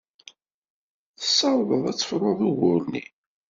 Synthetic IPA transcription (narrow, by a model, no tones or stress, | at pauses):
θə̥sːɑɾˤðəðˤæt͡sːə̥fɾˤʊðˤuɣʊɾnḭ